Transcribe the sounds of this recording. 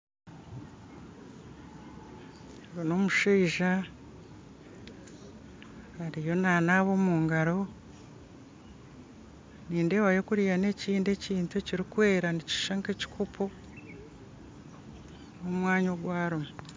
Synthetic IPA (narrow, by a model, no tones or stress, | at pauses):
βonoːmuʃiːʒa | aɾijo̞naːnaβo̞muːŋɡaɾo̞ | niːndewajo̞kuɾijane̞ciːnde̞ciːntueciɾikwe̞ːɾanici̥ʃaŋkeci̥kʰupʰo | omwaːɲoɡwaːɾomu